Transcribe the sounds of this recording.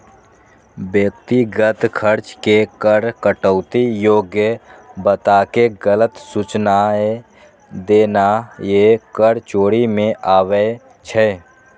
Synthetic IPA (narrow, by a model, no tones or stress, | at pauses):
bjək̚t̪iɡət̪kʰəɾt͡ʃkekəɾkəʈəʊt̪ijoːɡjəbət̪aːkeɡələt̪sut͡ʃnae | d̪eːnajekəɾt͡ʃoːɽimẽʔaːwe | t͡ʃʰɛ